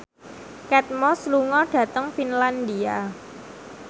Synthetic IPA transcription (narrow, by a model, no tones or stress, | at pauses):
kɛt̪̚mɔsluŋɔɖ̥ä̤t̪əŋfinland̪ia